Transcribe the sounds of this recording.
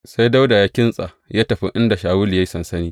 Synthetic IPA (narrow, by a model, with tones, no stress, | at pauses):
sa˦jda˦wda˨ja˦kʲɪ˦nsʼa̰˨ | jaː˦tɐ˨ɸḭ˦ʔɪ˦nda˨ʃaː˨wʊ˦li˨ja˦ji˦sɐ˨nsɐ˦niː˦